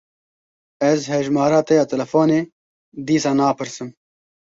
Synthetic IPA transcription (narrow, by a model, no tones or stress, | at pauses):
ɛzhɛʒmɑːɾɑːt̪ɛjɑːt̪ʰɛlɛfoːneː | d̪iːsɑːnɑːpɨɾsɨm